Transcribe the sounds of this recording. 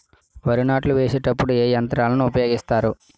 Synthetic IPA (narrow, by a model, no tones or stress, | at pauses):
ʋɐɾunaːʈluʋeːseːʈɐpːuɽueːjɐnt̪ɾaːlɐnuupɐjo̞ːɡist̪aːɾu